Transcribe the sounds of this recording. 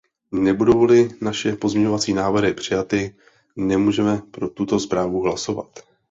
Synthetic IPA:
nɛbudowlɪnaʃɛpo̞zmɲɛɲovat͡siːnaːvr̩ɦɪpr̝̥ɪjat̪ɪ | nɛmuːʒɛmɛpɾo̞t̪ut̪o̞spɾaːvuɦlaso̞va̰t̪

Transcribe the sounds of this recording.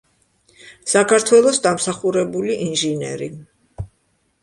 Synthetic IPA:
sakʰaɾt̪ʰwɛlˠɔsd̪amsaχuɾɛbuliʔinʒinɛ̰ɾi

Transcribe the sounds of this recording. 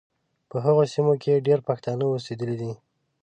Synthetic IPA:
pəɦaɣosimokʰeɖeɾpaxt̪ɑnəosed̪əlid̪i

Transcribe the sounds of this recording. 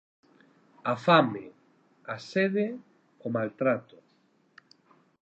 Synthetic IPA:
afame | aseðe | omalt̪ɾat̪ʊ

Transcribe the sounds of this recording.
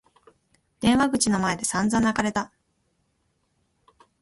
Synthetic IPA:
d̪̥ẽ̞ɰ̃βaɡɯ̟t͡ɕino̞mae̞d̪e̞sãnd͡zãnːakaɾe̞t̪a

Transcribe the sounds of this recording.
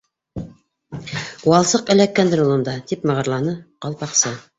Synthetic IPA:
wɑlˠsɤqɘ̆lækːænd̪ɾulˠɤ̆nd̪ɑt̪ipmɤ̆ʁɤ̆ɾlˠɑnɤqɑlˠpɑqsɤ

